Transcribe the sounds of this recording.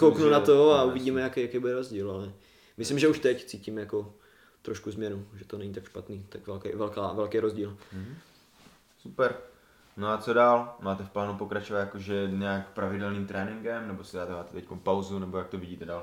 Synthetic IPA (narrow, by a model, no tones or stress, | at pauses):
kowknunat̪oauvɪɟiːmɛjakɛjakejbudɛɾozɟiːlalɛ | mɪslɪmʒɛuʃt̪ɛct͡siːcimjako̞ | t̪ɾoʃkuzmɲɛnuʒɛt̪onɛɲit̪akʃpat̪niːt̪akvɛlkɛvɛlkaːvɛlkɛjɾozɟiːl | supɛɾ | noat͡so̞daːlmaːt̪ɛfplaːnupo̞kɾat͡ʃovat̪jakoʒɛɲaaːkpɾavɪdɛlniːmt̪ɾɛːnɪŋɡɛmnɛbo̞sɪdaːt̪maːt̪ɛt̪ɛckonpawzunɛbojak̚t̪ovɪɟiːt̪ɛdaːl